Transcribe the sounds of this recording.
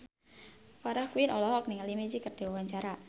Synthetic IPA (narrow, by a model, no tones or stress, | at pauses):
faɾahkuinɔlɔɦɔkniŋalimed͡ʒikərɖ̥e̤wawaɲt͡ʃaɾa